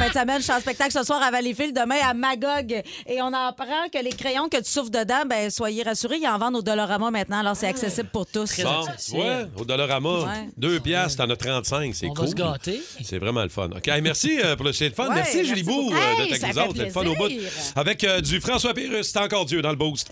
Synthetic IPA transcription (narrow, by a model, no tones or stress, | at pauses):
fɛ̃t̪amɛnʃɑ̃spɛk̚t̪aklsəswɑːʁavãlefɪld̪əmɛ̃amaɡɔɡ | eɔ̃nɑ̃ːpʁɑ̃kʲəlekʁejɔ̃kət̪y̥sʊfd̪əd̪ãbɛ̃swajeʁasyʁeiɑ̃vɑ̃d̪od̪ɔlɔʁamɔmɛ̃t̪nãalɔːʁsɛt̪aksesɪbləpʊʁt̪ʊsɔ̃wɛo̰d̪ɔlɔʁamɔwɛd̪øːpjast̪ɑ̃nɔt̪ːʁɑ̃t̪sɛ̃ksɛ̰vkuɡaːt̪esɛ̰vʁɛmɑ̰̃ləfɔ̰nɔ̰kʲemɛʁsipʊʁləsɛ̃lfɔnmɛʁsiʒylibud̪əɛkzot̪sɛfɔnoːbʊt̪avɛkd͡z̪yfʁɑ̃swapeʁʏsse̥t̪ɑ̃kɔːʁzjød̪ɑ̃ləbust̪